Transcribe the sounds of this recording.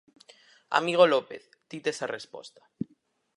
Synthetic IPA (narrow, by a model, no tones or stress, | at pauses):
a̰miɣ̞olopḛθ | d̪̥it̪esarespo̰st̪ḁ